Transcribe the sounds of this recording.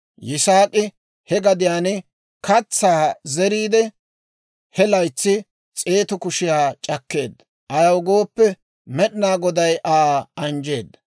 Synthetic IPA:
jɪsaːkʼɪ | hɛɡɐd̪ɪjaːn | kɐt͡sːaːzɛɾiːd̪ɛ | hɛlɐjt͡sːɪ | t͡sʼeːt̪ʊkʊʃɪjaːt͡ʃʼɐkːe̞ːd̪ːɐ̥ | ʔɐjɐwɡo̞ːpːɛ | mɛɗɪnaːɡɔd̪ɐjʔaːɐnd͡ʒe̞ːd̪ːɐ̥

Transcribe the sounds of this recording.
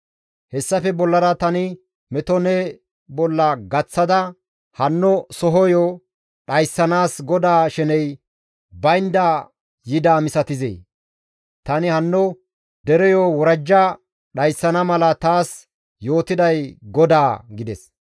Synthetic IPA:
hɛsːɐfɛbɔlːɐɾɐt̪ɐnɪ | mɛt̪ɔnɛ | bɔlːɐɡɐt͡sːɐd̪ɐ | hɐnːɔsɔɦɔjɔː | ɗɐjsːɐnaːsɡɔd̪aːʃɛnɛj | bɐjnd̪aː | jɪd̪aːmɪsɐt̪ɪzḛː | t̪ɐnɪhɐnːɔ | d̪ɛɾɛjoːwɔɾɐd͡ʒːɐ | ɗɐjsːɐnɐmɐlɐt̪aːs | jo̞ːt̪ɪd̪ɐjɡɔd̪aːɡɪd̪ɛs

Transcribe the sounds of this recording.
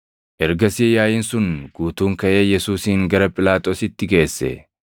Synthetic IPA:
ʔɛɾɡɐsiːjaːjɪːnsʊnɡ̥uːt̪uːŋkɐʔe̞ːjɛsuːsiːŋɡɐɾɐpʼɪlaːt̪ʼo̞ːsɪt̪ːɪɡe̞ːsːɛ̰

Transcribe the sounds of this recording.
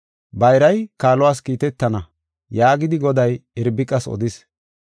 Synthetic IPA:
bɐjɾɐjkaːlɔwaːskiːt̪ɛt̪ːɐnɐ | jaːɡɪd̪ɪɡɔd̪ɐjɪɾbɪkʼːɐsɔ̰d̪ɪs

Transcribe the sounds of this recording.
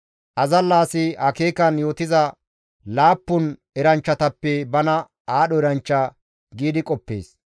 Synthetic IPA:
ʔɐzɐlːaːsɪʔɐkeːkɐnjo̞ːt̪ɪzɐ | laːpːʊn | ɛɾɐnt͡ʃːɐt̪ɐpːɛbɐnɐ | aːɗɔɛɾɐnt͡ʃːɐ | ɡiːd̪ɪkʼɔpːḛːs

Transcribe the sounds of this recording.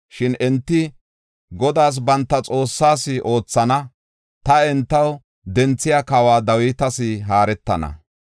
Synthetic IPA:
ʃɪnɛnt̪ːɪ | ɡɔd̪aːs̬bɐnt̪ːɐt͡sʼo̞ːsːaːsɪʔo̞ːt͡sːɐnɐ | t̪ɐɛnt̪ːɐw | d̪ɛnt͡sːɪjakawaːd̪ɐwɪːt̪ɐsɪɦaːɾɛt̪ːɐnɐ̰

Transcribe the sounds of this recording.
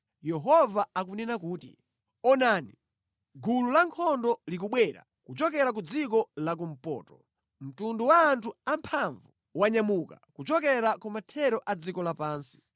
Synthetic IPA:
jɛɦɔvaakunɛnakuːtḭ | ɔnaːni | ɡululaŋkʰɔndɔlik̬uɓwɛɾa̰ | kut͡ʃɔk̬ɛɾak̬ud͡zikɔlak̬um̩pɔ̰ːtɔ | m̩tunduwaːntʰuampʰaɱvu | waɲamuka̰kut͡ʃɔkɛɾakumatʰɛɾɔʔad͡zikɔlapaːnsi̥

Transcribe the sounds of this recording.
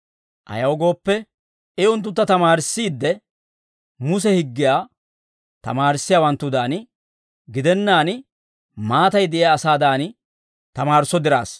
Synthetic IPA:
ʔɐ̰jɐwɡo̞ːpːɛ | ɛʊnt̪̬ːʊt̪ːɐt̪ɐmaːɾɪsːiːd̪ːɛ | mʊs̬ɛhɪɡːɪjaː | t̪ɐ̰maːɾɪsːɪjaːwɐnt̪ːʊd̪aːn | ɡɪd̪ɛnːaːn | maːt̪ɐjd̪ɛʔɪjaːsaːd̪aːn | t̪ɐmaːɾsɔd̪ɪɾa̰ːs

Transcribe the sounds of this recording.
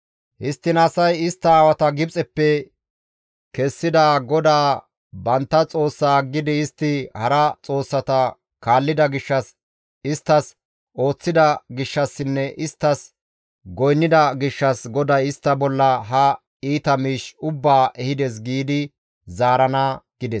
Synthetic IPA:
hɪst̪ːɪnɐsɐjɪst̪ːɐːwɐt̪ɐɡɪbt͡sʼɛpːɛ | kɛsːɪd̪aɡɔd̪aː | bɐnt̪ːɐt͡sʼo̞ːsːaːɡːɪd̪ɪːst̪ːɪhɐɾɐt͡sʼo̞ːsːɐt̪ɐ | kaːlːɪd̪ɐɡɪʃːɐs | ɪst̪ːɐs | o̞ːt͡sːɪd̪ɐɡɪʃːɐsːɪnːɛʔɪst̪ːɐs | ɡɔjnːɪd̪ɐɡɪʃːɐsɡɔd̪ɐjɪst̪ːɐbɔlːɐɦɐ | iːt̪ɐmiːʃʊbːaːʔɛhɪd̪ɛs̬ɡiːd̪ɪ | zaːɾɐnɐɡ̥ɪd̪ɛs

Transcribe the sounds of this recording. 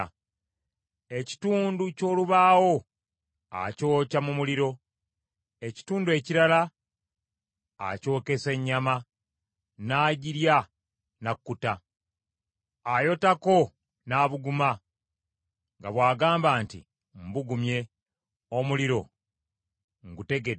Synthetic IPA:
e̞ci̥tuːnduco̞ːluβaːwo̞ | a̰co̞ːcamumuliɾo̞ | e̞ci̥tuːndue̞ciɾala | a̰co̞ːke̞se̞ɲːama | naːɟiɾja | nakːuta | ajo̞tako̞ | naːβuɡuma | ŋɡaβwaːɡaːmbaːntḭ | m̩buɡumje̞ | omuliɾo̞ | ŋɡute̞ɡe

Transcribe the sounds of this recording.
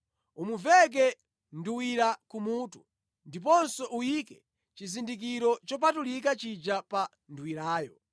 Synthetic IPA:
umuvɛk̬ɛ | nduwiɾakumuːtu | ndip̬ɔnsɔʔujikɛ | t͡ʃizindik̬iɾɔt͡ʃɔpatulik̬at͡ʃid͡ʒapa | nduwiɾaːjɔ

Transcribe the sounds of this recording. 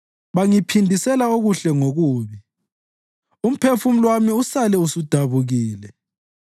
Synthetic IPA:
βaŋipʰindʱisɛlaoɣuɬɛŋoɣuːβi | um̩pʰefum̩lwamiusalɛusud̥ʱaβuɣiːlɛ

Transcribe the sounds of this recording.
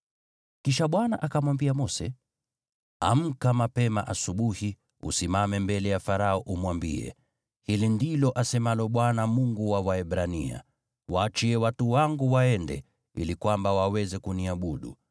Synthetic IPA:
kiʃaɓwana̰ʔakamwambiamɔsɛ | a̰m̩kamapɛmaʔasuɓuhi | ṵsimamɛmbɛlɛjafaɾaɔʔumwambḭɛ̰ | hilindilɔʔasɛmalɔɓwanamuŋɡuwawaɛɓɾanḭa̰ | waːt͡ʃiɛwatuwaŋɡuwaɛndɛ̰ | ḭlikwambawawɛzɛkuniaɓuɗṵ

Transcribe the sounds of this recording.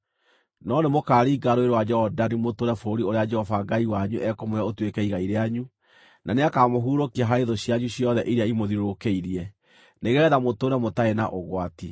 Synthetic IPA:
nɔnemokaːɾiːɡaɾoeɾwad͡ʒɛɔdanimotoɾɛfoɾioɾead͡ʒɛhɔfaɡaiwaɲuʔɛkomojaotwekɛiɣaiɾeaɲu | nʔaneakaːmoɦuːɾokiaɦaɾeðoɕiaɲuɕjɔðɛʔiɾeaimoðiɾokeiɾiɛ | neɣɛːðamotoɾɛmotaena̰ʔoɣwati

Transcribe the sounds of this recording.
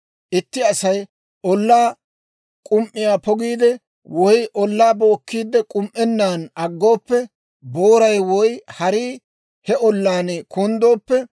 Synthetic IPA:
ʔɪt̪ːɪɐsɐj | ʔɔlːaː | kʼʊmʔːɪjaːpɔɡiːd̪ɛ | wɔjʔɔlːaːbo̞ːkːiːd̪ɛkʼʊmʔɛnːaːnɐɡːo̞ːpːɛ | boːɾɐjwɔjhɐɾiː | hɛɔlːaːnɛkʰʊnd̪o̞ːpːɛ

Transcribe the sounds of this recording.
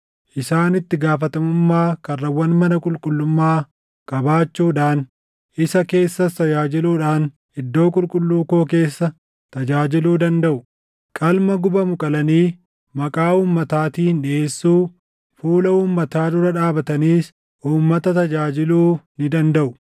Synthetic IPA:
ʔɪsaːnɪt̪ːɪɡaːfɐt̪ɐmʊmːaːkɐrːɐwɐnmɐnɐkʼʊlkʼʊlːʊmːaː | kʼɐbaːt͡ʃːuːᶑaːn | ʔɪsɐke̞ːsːɐst̪ɐd͡ʒaːd͡ʒɪluːᶑaːn | ɪd̪ːo̞ːkʼʊlkʼʊlːuːkoːke̞ːsːɐ | t̪ɐd͡ʒaːd͡ʒɪluːd̪ɐnd̪ɐʔʊ | kʼɐlmɐɡʊbɐmʊkʼɐlɐniː | mɐkʼaːuːmːɐt̪aːt̪iːnᶑɪe̞ːsːuː | fuːlɐuːmːɐt̪aːd̪ʊɾɐᶑaːbɐt̪ɐniːs | ʔuːmːɐt̪ɐt̪ɐd͡ʒaːd͡ʒɪluːnɪd̪ɐnd̪ɐʔʊ

